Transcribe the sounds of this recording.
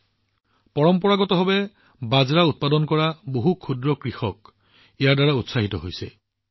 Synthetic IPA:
pɔɹɔmpɔɹaɡɔtɔɦɔbɛ | bazɹaut̚padɔnkɔɹaboɦukʰudɹɔkɹixɔk | ijaɹdaɹautsaɦitɔɦojsɛ̰

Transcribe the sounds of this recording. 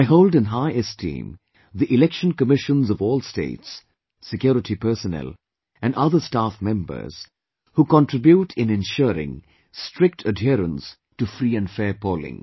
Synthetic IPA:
aɪɦoʊldɨ̃nɦaɪɨstʰḭ̃ːm | ðiʔɪlɛkʃə̃nkəmɪʃə̃nzʌvɔːlˠstḛɪtsː | ɪkjɔɾɪtʰipɜ˞sənɛ̰lˠ | ʔæ̃nɖʌðə˞stafmɛ̃mbə̰˞z̥ | huːkə̃ntɹ̥ɪbjuʈʰɪ̃nɪ̃nʃuɾɪ̰̃ŋ | stʰɹ̥ɪk̚tʰədɦɪɾə̰̃ns | tufɾiːɨ̃ndfɛːɹpoːlɪ̰̃ŋ

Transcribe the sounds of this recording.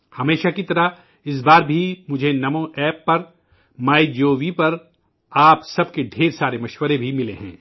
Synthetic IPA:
hɐmeːʃakit̪ɐɾa | ɪs̬baːɾbʱimʊd͡ʒʱenɐmõʔɛːpːɐɾ | maːid͡ʒoːʋipɐɾ | aːpsɐb̚keɖʱeːɾsaːɾemɐʃwəɾebʱimɪlḛɦɛ̰̃ː

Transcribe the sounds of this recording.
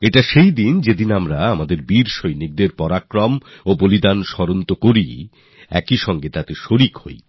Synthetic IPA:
eʈaʃejd̪ind͡ʑed̪inamɾaamad̪eɾbiɾʃojnik̚d̪eɾpɔɾakɾɔmobolid̪anʃɔɾont̪okoɾi | ɛ̰kiʃɔŋɡet̪at̪eʃoɾikho̰j

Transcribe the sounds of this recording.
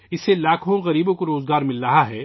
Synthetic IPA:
ɪselaːkʰõɣɐɾiːbõkoɾoːzɡaːɾmɪlːɐɦaɦɛː

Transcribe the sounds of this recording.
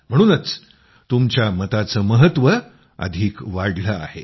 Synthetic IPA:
m̤əɽ̃uːnət͡s | t̪umt͡ɕjamət̪at͡səːməɦət̪ʋə | ə̰d̪ʱiːkʋaɽləa̰he

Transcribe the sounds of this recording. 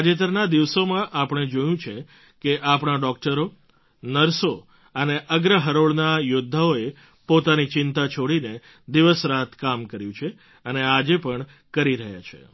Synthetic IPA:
ad͡ʒet̪əɾnad̪iʋsomãʔapɳ̃ed͡ʒojũt͡ʃʰe | keʔapɳ̃aɖɔk̚ʈəɾo | nəɾso | əneʔəɡɾəɦəɾoɭnajod̪ʱːaoe | pot̪anit͡ʃɪnt̪at͡ʃʰoɽine | d̪iʋəsɾaɦət̪kamkəɾjũt͡ʃʰe | ənead͡ʒepəɳ | kəɾiɾəɦja̰t͡ʃʰḛ

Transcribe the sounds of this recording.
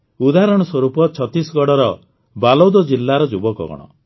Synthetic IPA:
ud̪aɦɾɔɽ̃ɔswɔɾupɔt͡ʃʰɔt̪isɔɡɔɽɔɾɔ | balɔwd̪ɔd͡ʒilːaɾɔd͡ʒubɔkɔ̰ɡɔ̰ɽ̃ɔ̰

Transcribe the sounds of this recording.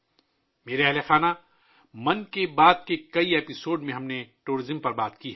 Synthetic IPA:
meːɾeɐɦlexaːna | mɐnkebaːd̪̚kekɐieːpɪsoːɖmẽɦɐmneʈuːɾɪzəmpɐɾbaːt̪kiɦɛ

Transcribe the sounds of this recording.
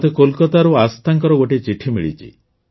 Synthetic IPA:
t̪ekolkɔt̪aɾuast̪ʰaŋkɔɾɔɡoʈit͡ʃiʈʰimiɭḭt͡ʃʰḭ

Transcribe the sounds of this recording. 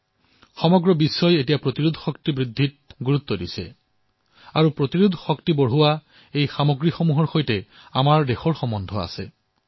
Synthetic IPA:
xɔmɔɡɹɔbisːɔjetijapɹot̪iɹud̪ʱxɔk̚tibɹid̪ʱːit̚ɡuɹut̪ːɔdisɛ̰ | aɹupɹot̪iɹud̪ʱxɔktiboɹɦuwa | ejxamoɡɹixomuɦɔɹxojtɛ | amaɹdexɔɹxɔmɔndʱɔa̰sɛ

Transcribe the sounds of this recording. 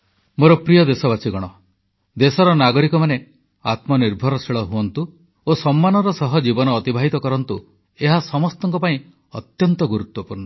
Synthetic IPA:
moɾɔpɾijɔd̪esɔbasiɡɔɽ̃ɔ | d̪esɔɾɔnaɡɔɾikɔmane | at̪mɔniɾbʱɔɾɔsiɭɔɦuɔnt̪u | osɔmːanɔɾɔsɔɦɔd͡ʒibɔnɔːt̪ibʱaɦit̪ɔkɔɾɔnt̪u | eɦasɔmɔst̪ɔŋkɔpaĩ | ɔt̪jɔnt̪ɔɡuɾut̪wɔpuɾnɔ

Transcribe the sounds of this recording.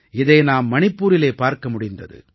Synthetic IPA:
ɪðɐɪnaːmːɐɳɪpːuːɾɪleːpaːɾkɐmʊɽɪnd̪ɐ̰ðɯ̰

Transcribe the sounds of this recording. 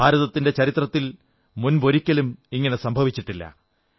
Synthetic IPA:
bʱaːɾɐðɐt̪ːinde̞t͡ɕɐɾit̪rɐt̪ːil | munbo̞ɾikʲːɐlumiŋːɐne̞sɐmbʱɐʋit͡ɕːiʈːilːɐ̰

